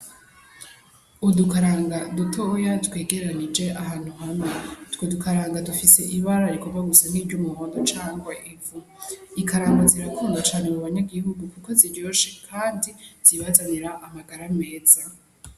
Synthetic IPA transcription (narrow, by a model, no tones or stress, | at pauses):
udukaɾaːŋɡadutʰojatwe̞ːɡe̞ɾeɾanid͡ʒe̞ʔahaːn̥huɦamŋetwodukaɾaːŋɡadufise̞ʔiβaɾaɾikomɡaɡusan̥iːvɟomuhoːndot͡ʃaːŋɡwaʔivu | ikaɾaːŋɡaziɾakʰuːŋɡat͡ʃaːnemuβaɲaɡiɦuɡukuko̞ziɾjo̞ːʃe̞kʰaːndiz̥iβazaniɾaʔamaɡaɾame̞ːza